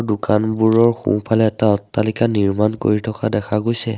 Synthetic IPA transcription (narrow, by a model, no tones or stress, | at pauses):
dʊkanbuɹɔɹxṵ̃pʰalɛːtaɔtːalikaniɹmanko̰ɹitʰɔkadɛkʰaɡojsɛ